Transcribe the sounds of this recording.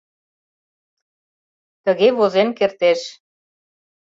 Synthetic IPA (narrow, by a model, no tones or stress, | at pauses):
t̪əɣeβozenkert̪eʃ